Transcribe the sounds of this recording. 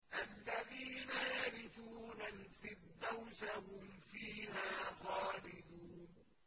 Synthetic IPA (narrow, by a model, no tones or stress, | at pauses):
ʔalːaðiːnajaɾɪθuːnalfɪd̪ːawʃahʊmfiːhaːxaːlɪd̪uːn